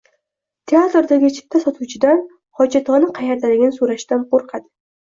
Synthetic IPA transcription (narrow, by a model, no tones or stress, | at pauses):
t̪ʰeat̪ɾd̪aɡʲɪt͡ʃʰɪ̥p̚t̪ʰːasɒt̪ʰuwt͡ʃʰɪd̪an | hɒd͡ʒat̪ʰɒnɪqʰɑjaɾd̪alɪɡʲɪnɪsuɾaʃd̪anqʰoɾqʰɑd̪ɪ